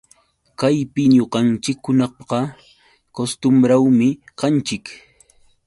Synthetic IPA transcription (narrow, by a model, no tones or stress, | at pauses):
kajpɪɲoqɑnt͡ʃɪkhʊnɑχpqɑ | kost̪ʊmɾawmɪ | qɑnt͡ʃɪk